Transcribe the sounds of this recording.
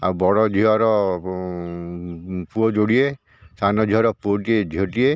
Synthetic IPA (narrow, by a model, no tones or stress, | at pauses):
a̰wbɔɽɔd͡ʒʱiɔɾɔ | puɔd͡ʒoɽie | sanɔd͡ʒʱiɔɾɔpuɔʈied͡ʒʱoʈie